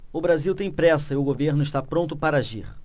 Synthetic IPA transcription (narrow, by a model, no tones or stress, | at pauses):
ʊbɾaziwt̪ẽj̃pɾɛsɐɪʊɡoveɾnʊiʃt̪apɾõnt̪ʊpaɾɐaʒiχ